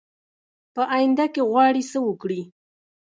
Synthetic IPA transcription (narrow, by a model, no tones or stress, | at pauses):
pəʔajɪnd̪akeɣwɑɽisəwəkɽi